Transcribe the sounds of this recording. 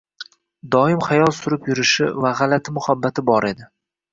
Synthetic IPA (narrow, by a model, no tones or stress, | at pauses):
d̪ɒɪmχajɒlˠsʊɾɪpjʊɾɪʃɪvaʁalat̪ʰɪmʊhabːat̪ʰɪbɒɾe̞d̪ɪ